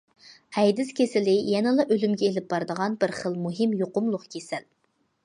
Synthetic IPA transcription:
hɛjd̪ɪskʲʰesɪlɪjɛnɨlˠɑʔølymɡʲɛelɪp̚b̥ɑɾd̪əʁɑnbɪɾχəlˠmuɦɪmjoqʊmlˠʊqkʲʰesɪl

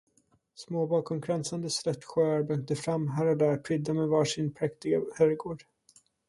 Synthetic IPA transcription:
smoːbɑːkɔmkʰɾɛnsand̪əslœt̪ːɧœːɾbœŋ̚t̪əfɾamːɦæɾad̪æɾpʰɾʏd̪ːamɛvɑːʂɪnpʰɾɛkt̪ɪɡahœɾɡoːɖ̥

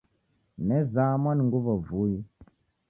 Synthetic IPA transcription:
nɛzamanŋɡuvavuji

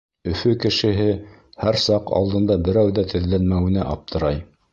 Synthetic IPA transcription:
ɵ̆fɵkɘ̆ʃɘ̆ɦɘ | hæɾsɑqɑ̰lˠd̪ɤ̆nd̪ɑbɘ̆ɾæwðæt̪ɘ̆ðlænmæwɘ̆næʔɑp̚t̪ʰɤ̆ɾɑj

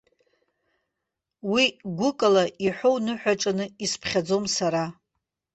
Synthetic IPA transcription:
wiɡʷʊkʼalaʔiħʷownɨħʷᶣaʈ͡ʂʼanɨispʰχʲad͡zo̞msaɾa

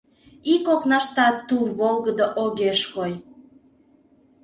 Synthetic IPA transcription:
ikoknɑʃt̪ɑt̪ːulβolˠɣəd̪oʔoɣeʃkoj

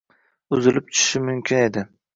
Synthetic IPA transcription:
ʊzɪlɪp̚t͡ʃʰʊ̥ʃɪmʊmkʲʰɪne̞d̪ɪ

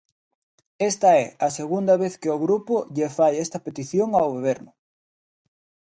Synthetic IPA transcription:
est̪ɐɛɐseɣund̪ɐβeθkɪoɣɾupʊʎefajɛst̪ɐpet̪iθjoŋawɣoβ̞eɾnʊ

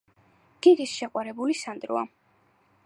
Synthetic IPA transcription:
ɡ̥iɾisʃɛqʼwaɾɛbulisand̪ɾṵa

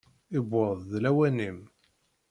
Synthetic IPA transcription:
ɪbʊɾˤðˤðlæwænim

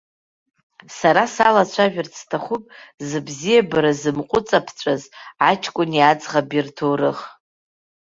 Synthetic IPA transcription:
saɾasalat͡ɕʷʰaʒᶣʊrt͡sʰtʰaχʷupʼzɨbzijabaɾazɨmqʷʼʊt͡sʼapʰt͡ɕʷʼazʕat͡ʃʰʼkʷʼʊnjat͡sʼʁabirtʰowrɨχ

